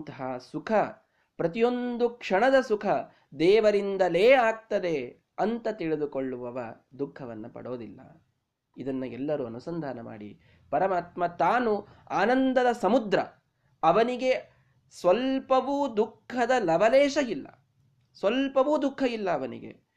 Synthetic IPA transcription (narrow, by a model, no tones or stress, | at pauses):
t̪ɐɦɐsukʰɐ | pɾɐt̪ijo̞nd̪ukʂɐɳɐd̪ɐsukʰɐ | d̪ɛːʋɐɾind̪ɐleːaːk̚t̪ɐd̪e̞ | ɐnt̪ɐt̪iɭed̪ukoɭːuʋɐʋɐ | d̪ukʰːɐʋɐnːɐpɐ̰ɽoːd̪ilːɐ̰ | id̪ɐnːuɛlːɐɾuɐnusɐnd̪ʱaːnɐma̰ːɽḭ | pɐɾɐmaːt̪mɐt̪aːnu | aːnɐnd̪ɐd̪ɐsɐmud̪ɾɐ | ɐʋɐniɡe̞ | sʋɐlpɐʋuːd̪ukʰːɐd̪ɐlɐbɐlɛːʃɐilːɐ̰ | sʋɐlpɐʋuːd̪ukʰːɐilːɐːʋɐnḭɡḛ